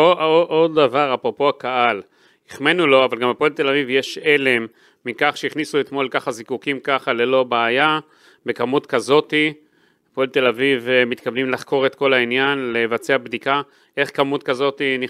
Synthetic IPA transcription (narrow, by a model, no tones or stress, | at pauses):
ooʔod̪avaʁapʁopo̞akaʔal | iχmenulo̞avalɡamapoelt̪e̞lavivje̞ʃe̞le̞mː | ikaχʃeiχnisuet̪mo̞lkaχazikukimkaχale̞lo̞baːja | be̞kamut̪kazo̞t̪i | poelt̪e̞lavivmit̪kavnimlaχko̞ʁe̞t̪ko̞lainjanlevat͡se̞abd̪ika | ʔe̞χkamut̪kazo̞t̪ini